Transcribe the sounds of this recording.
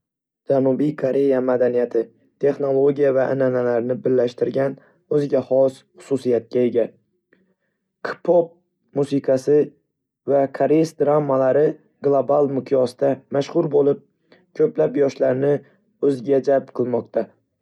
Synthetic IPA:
d͡ʒanubijkʰoɾe̞jamad̪anijat̪ʰɪ | t̪ʰe̞χno̞lˠo̞ɡʲijavaʔɪnanalaɾnɪbɪɾːaʃt̪ɪɾɡʲan | ɵzɪɡʲahɒsχʊ̥susijat̪̚kʲae̞ɡʲa | kʰɪ̥pʰop̚ | musɪqʰɑsɪ | vakʰaɾesd̪ɾamːalaɾɪ | ɡlˠobalˠmɪqʰjɒsd̪̥amaʃχʊɾbolɪp̚ | kʰɵplapjɒʃlaɾnɪ | ɵzɪɡʲad͡ʒalpqʰɨlˠmɒqt̪ʰa

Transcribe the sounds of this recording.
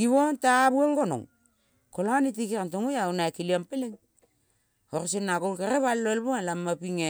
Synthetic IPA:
ɡiβontaβuaŋɡono̰ŋ | kolanitikiɾantoŋojawnaekiliampeleŋ | oɾsenːakolkeɾeβalloelboelamːapiŋe

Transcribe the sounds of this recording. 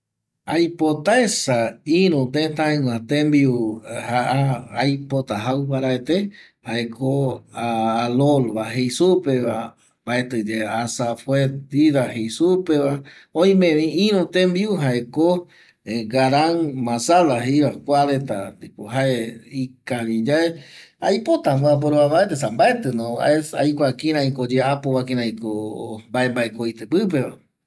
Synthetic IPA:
ajpot̪aesaĩɾ̃ũt̪ẽnt̪ãẽŋw̃ãt̪embiuhaaːjpot̪aɦawpaɾaet̪e | haekoaːlolβaɦejsupeβa | mbaet̪ɨd͡ʒeasafwet̪iɾahejsupeβaõj̃mẽβĩĩɾõt̪embiuɦaeko | eɡaɾaŋmãsalaɦejβakʷaβet̪a̰ikoɦaeikaβid͡ʒaeajpot̪amboap̬oɾoβaβaet̪̬es̬ambaet̪ɨnõa̰ea̰jkʷakĩɾ̃ãĩkod͡ʒeapoβakĩɾãĩkombaembaekojt̪epɨp̬eβa̰

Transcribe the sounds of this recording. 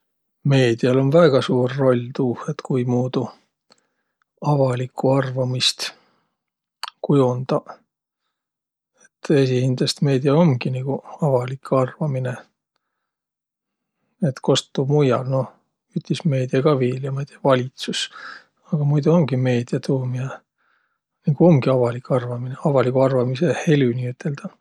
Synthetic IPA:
me̞ːd̪̥iɑlo̞nvæɡ̥ɑsuːrːo̞lʲt̪uːhet̪kujmuːd̪u | ɑvɑlikʰːuɑrvɑmist̪ | kujund̪̥ɑ | e̞t̪ːe̞s̬ihind̪est̪me̞ːd̪iɑo̞ŋɡ̥iniɡ̥uɑvɑlikʰɑrvɑmine | e̞t̪ko̞st̪ːumujɑ̰lno̞ | yt̪ːisme̞ːd̪̥iɑɡ̥ɑviːljɑmɑjd̪̥iɑvɑlʲit̪sus | ɑɡ̥ɑmujd̪uo̞ŋɡ̥ime̞ːd̪̥iɑt̪uːmiɑ | niɡ̥uo̞mɡiɑvɑlikɑrvɑmineɑvɑlikuɑrvɑmise̞he̞lʲyniyt̪ʰːe̞ld̪̥ɑ

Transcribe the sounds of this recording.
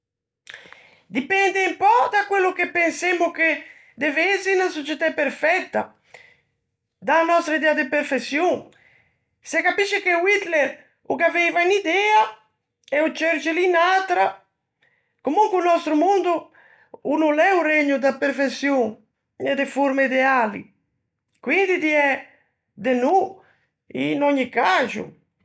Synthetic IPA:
d̪ipɛnd̪empɔd̪akwelːʊkepːensemʊke | d̪evesinasot͡ʃɛt̪apeɾfɛt̪ːa | d̪anɔst̪ɾaid̪ɛad̪epeɾfesjoŋ | sekapiʃekewit̪lɛɾ | ukavejvainid̪ɛa | ɛut͡ʃɛɾt͡ʃɪlinat̪ɾa | komuŋkunɔst̪ɾumund̪u | unulɛureɲːud̪apːeɾfesjuŋ | ɛd̪efuɾmaid̪ɛalḭ | kwind̪id̪iɛ | d̪enu | ḭnɔɲːikazṵ

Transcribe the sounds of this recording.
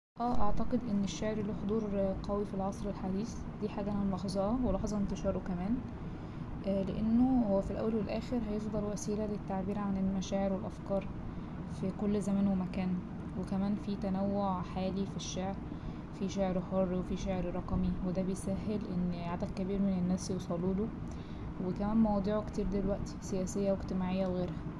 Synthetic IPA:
ʔæːʔɑʕt̪ɑqed̪ʔenːeʃːaʕeɾliːħod̪ˤuːɾqɑwifilʕɑsˤɾelħad̪iːs | d̪iːħaːɡæʔænæmlɑħzˤɑʔɑwelɑħzˤɑʔent̪eʃɑːɾˤokæmæːn | ʔleʔenːohowːæfilʔæ̰wːælwelʔæːxeɾɦæjefd̪ˤɑlwæsiːlælet̪ːaʕbiːɾʕanelmæʃæːʕeɾwelʔæfkɑːɾˤ | fikolːzæmæːnwemækæːn | wekæmæːnfit̪ænæwːoʕħaːlifiʃːeʕɾ | fiʃeʕɾhorˤːwefiʃeʕɾɾˤɑqmiwed̪æbejsæɦːelʔenːʕad̪æɡ̪̚kːæbiːɾmenenːæːsjosˤɑluːd̪o | wekæmæːnmɑwɑːd̪ˤiːʕokt̪iːɾd̪elwæʔt̪sejæːsejːæweɡt̪emaːʕejːæweɣeːɾhæ

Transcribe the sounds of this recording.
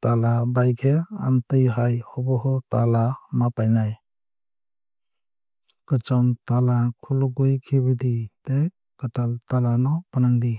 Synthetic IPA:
talabajkʰea̰ntɯjɦajhɔbɔɦɔtalamapajnaj | kɯt͡ʃɔntalakʰulɔɡujkʰibɯdite | kətaltalanɔpanandi

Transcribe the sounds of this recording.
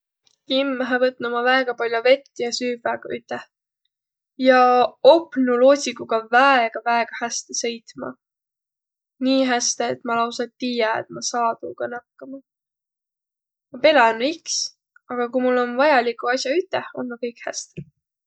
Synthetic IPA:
kimːæɦɑvɤt̪̚nomɑvæeɡ̥ɑpɑlʲjove̞t̪ːijɑsyːvæɡ̥ɑyt̪ˑːeh | jɑo̞pnuloːsʲikuɡ̥ɑvæeɡ̥ɑvæeɡ̥ɑhæst̪esɤ̞jt̪mɑ̰ | niːɦæst̪eːt̪mɑlɑwsɑt̪ːijɑḛt̪̚mɑsɑːd̪uɡ̥ɑnɑkːɑmɑ | mɑpe̞lɑnuiks | ɑɡ̥ɑkujmulːo̞nvɑjɑlikˑuɑsʲjɑyt̪ːˑeho̞nmɑkɤjkhæ̰st̪e

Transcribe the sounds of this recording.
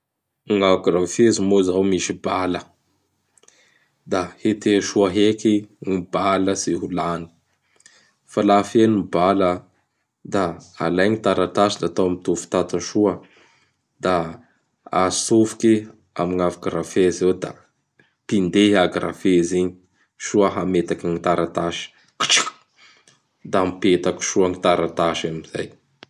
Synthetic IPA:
ŋaɡrafezimozawmiʃibalə | d̪ahet̪eʃuaɦekiŋibaləsiɦulani̥ | falafenibalə | d̪aalajɲit̪aɾat̪asid̪at̪awmit̪ufu̥t̪at̪aʃuə | d̪a | asufu̥ke | a̰miŋavaɡɾafezewd̪a | pind̪eaɡrʔa̰feziɲi̥ | ʃuəɦamet̪akiŋit̪aɾat̪aʃi̥ | ki̥ʈ͡ʂi̥k | d̪ampet̪aki̥ʃuaŋit̪aɾat̪aʃamiz̥aj

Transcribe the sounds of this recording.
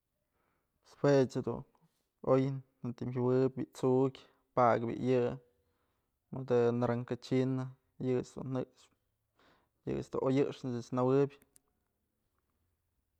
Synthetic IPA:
spʰwet͡ʃhad̪ṵn | ojnː | ant̪imɦawɨbʲbiʔt͡suʔkʲ | paɡbʲḭʔjɨ | mod̪ɨnaɾaŋkat͡ʃina | jɨt͡ʃd̪ṵnːɨʔʂ | jɨ̰t͡sd̪ṵʔojɨʔʂnasɨt͡snawɨbʲ

